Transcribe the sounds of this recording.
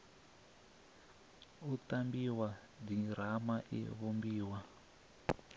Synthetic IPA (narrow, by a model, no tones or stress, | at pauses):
utambiwa | diɾ̤amaʔḭβombiːwa